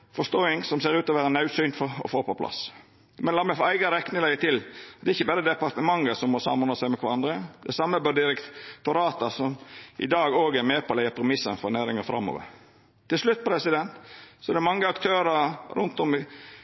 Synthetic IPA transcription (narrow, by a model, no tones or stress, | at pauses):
fɔʂt̪oːɪŋsɔmseːɾʉːt̪ɔʋæːɾənɑʉsynt̪fɔɔ̰foːpɔpʰlɑ̰s | mɛnlɑːmɛfɔæɪɡɑɾɛknəlɛɪət̪ʰɪlɛːɪçːəbɑːɾəd̪ɛpɑɾt̪əmɑŋːəsɔmːɔsɑ̰mhʊnɑsæɪmɛkʰʋɑɾɑnd̪ɾəd̪ɛsɑmːəbøːd̪ɪɾɛkt̪ʊɾɑːt̪əsɔmʔɪ̰d̪ɑːɡoːɡæɾmeːpʰɔlæɪəpʰɾɛmɪsːənfɔɾnæːɾɪŋɑfɾɑ̰mːo̰ːʋə̰ɾ | t̪ʰːɪlslʉt̪̚ːpɔɾɛsɪd̪ɛnt̪sɔɛd̪ɛmɑŋːəɑkt̪ʰøːɾəɾʊ̰nt̪ɔmɪ